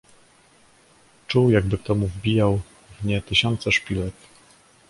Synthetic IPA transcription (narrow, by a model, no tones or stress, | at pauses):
t͡ʂuwjaɡ̚bɘk̚t̪ɔmuvbʲijaw | vɲɛt̪ɘɕɔnt̪sɛʂpʲilɛk